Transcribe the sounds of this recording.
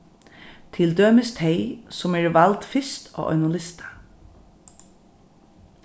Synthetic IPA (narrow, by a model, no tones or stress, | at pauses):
t̪ʰɪld̪øːmɪst̪ʰeɪsʊmɛːɹʋalt̪fɪst̪ʰɔ̰ːʔɔ̰ʏnʊlɪst̪ḁ